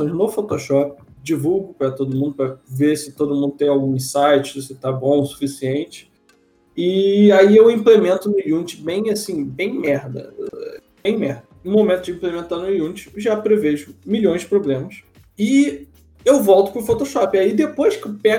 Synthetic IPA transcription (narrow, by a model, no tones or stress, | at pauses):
õj̃znofot̪oʃɔpɪ̥ | d͡ʒivuwɡʊpɾɐt̪od̪ʊmũnd̪ʊpɾɐvesɪt̪od̪ʊmũd̪ʊt̪ẽj̃awɡũĩsajt͡ʃɪsɪt̪abõw̃su̥fisiẽnt͡ʃɪ̥ | ɪaiewĩplemẽnt̪ʊnʊiũnt͡ʃɪbẽj̃asĩbẽj̃mɛɾd̪ɐ̰ | b̥ẽj̃mɛhd̪ɐũmomẽnt̪ʊd͡ʒɪĩmplemẽnt̪anʊiũnt͡ʃɪ̥ʒapɾeveʒʊmiʎõj̃zd͡ʒɪpɾoblẽmɐs | ɪ | ewvɔwt̪ʊ̥pʊfot̪oʃɔpɪaid̪epojskewpɛ